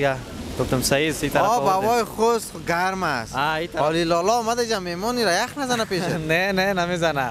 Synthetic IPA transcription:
ɡa | ɡ̥ʊft̪ʊmsaisit̪aɾɔbawɔjxosɡaɾmasait̪aɔlilɔlɔmad̪aid͡ʒamemɔniɾajaxnazanapeʃɪnenenamezana

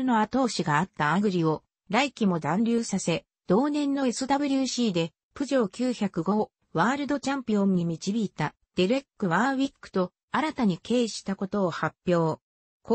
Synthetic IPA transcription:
ɯno̞at̪o̞ːɕiɡaːt̪ːaaɡɯ̟ɾʲio̞ | ɾaikʲimo̞d̪ãnɾʲɨːsase̞ | d̪̥o̞ːnẽ̞nːo̞esɨd̪abɯ̟ɾʲɨːɕiːd̪e̞ | pɯ̟ʑo̞ːkʲɨːçakɯ̟ɡo̞ | βaːɾɯ̟d̪o̞t͡ɕãmpʲiõ̞ɲɲimʲit͡ɕibʲiːt̪a | d̪̥e̞ɾe̞kːɯ̟βaːβʲikːɯ̥t̪o̞ | aɾat̪aɲ̟ike̞ːɕi̥t̪ako̞t̪o̞ːhapʲːjo̞ː | k

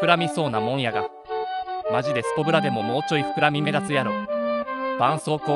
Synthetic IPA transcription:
ɯ̟ɾamʲiso̞ːnamõ̞ɰ̃jaɡa̰ | maʑid̪e̞sɨ̥po̞bɯ̟ɾad̪e̞mo̞mo̞ːt͡ɕo̞iɸɯ̥kɯ̟ɾamʲime̞d̪at͡sɨjaɾo | b̥ãɰ̃so̞ːko̞ː

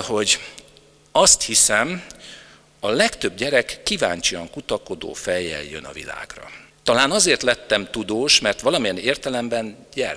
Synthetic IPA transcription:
ho̞ɟ | ɒst̪hisɛm | ɒlɛkt̪ø̞bɟɛɾɛkːiva̰ːɲt͡ʃiɒŋkut̪ɒko̞d̪o̰ːfɛjːɛ̰ljø̰nɒ̰vḭla̰ːɡrɒ̰ | t̪ɒlaːnɒzeːrt̪lɛt̪ːɛmt̪ud̪oːʃmɛrt̪ʋɒlɒmijɛneːrt̪ɛlɛmbɛnɟɛr

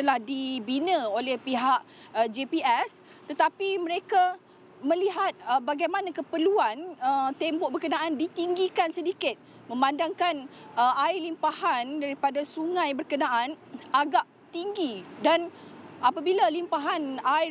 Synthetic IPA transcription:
t̪əlahdibinə̃olɛhpiɦaʔ | d͡ʒepiɛs | t̪ət̪apimə̃ɾeka | mə̃liɦat̪̚əbaɡajmãnãkəpəluanət̪embɔʔ̚bərkənãʔandit̪iŋɡikansədikɪt̪̚ | mə̃mandaŋkanəaɪlimpahandaɾipadasuŋãjbərkənãʔanaɡaʔ | t̪iŋɡidanapabilalimpaɦana

